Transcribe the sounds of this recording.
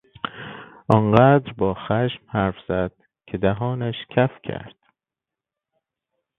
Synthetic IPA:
ʔɒnɢæːd̪ɾbɒːxæʃmhæɾfz̥æd̪̥̚ | cʰed̪æɦɒːnæʃcʰæfcʰæ̰ɾd̪̥

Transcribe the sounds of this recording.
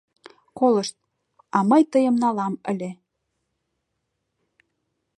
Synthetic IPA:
koləʃt̪̚ | ɑməjt̪əjəmnɑlɑmə̰̆lʲe

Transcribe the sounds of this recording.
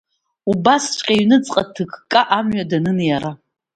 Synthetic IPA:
ubast͡ʃʷʰʼqʲʼaɥnɨt͡sʼqʼatʰɨkʰkʼaʔamɥadanɨnjaɾa

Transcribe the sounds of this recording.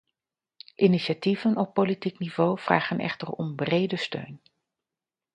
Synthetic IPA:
ʔiniʃativənɔpːolitiknivowv̥ra̰ːχənʔɛ̰χtərɔ̰mbrejdəstø̰ɥn

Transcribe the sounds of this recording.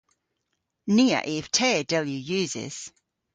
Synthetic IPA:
niːə̰ʔɪftʰɛːdɛlˠjʉjʉːzɪ̰z̥

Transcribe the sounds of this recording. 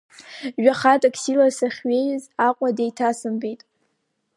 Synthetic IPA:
ɥᶣaχatʼakʰʼsilasaχʲɥejzaqʷʼadejtʰasɨmbejtʼ

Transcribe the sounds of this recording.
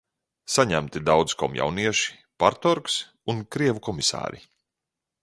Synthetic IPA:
saɲæmt̪id̪awd̪z̥kɔmja̰wniɛʃi̥ | paɾt̪ɔɾks | unkɾiɛvukɔmisa̰ːɾḭ

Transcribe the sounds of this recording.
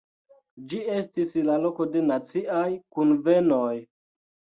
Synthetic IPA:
d͡ʒie̞stislalo̞ko̞de̞nat͡siajkunve̞noj

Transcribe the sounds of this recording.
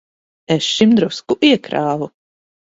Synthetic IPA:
ɛsʃimd̪ɾuskuʔiɛkɾaːvu

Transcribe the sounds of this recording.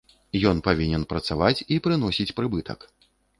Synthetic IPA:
jɔnpavʲinʲɛnpɾɐt̪savat͡sʲipɾɨnɔsʲit͡sʲpɾɨbɨt̪ʰɐ̰k

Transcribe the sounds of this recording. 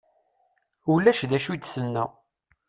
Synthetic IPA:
ulːæʃðæʃud̪sənːæ

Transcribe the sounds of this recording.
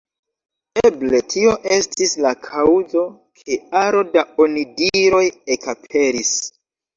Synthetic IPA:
eble̞tʰio̞ʔe̞stislakʰawzo̞ | kʰe̞aɾo̞daonidiɾo̞jekapʰe̞ɾis

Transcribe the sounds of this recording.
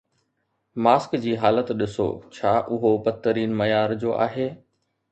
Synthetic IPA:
maːskd͡ʑiːɦaːlət̪ɗɪso̰ːt͡ɕʰaːʔʊɦobɐt̪ːəɾiːnmɐjaːɾd͡ʑoːʔa̰ːɦeː

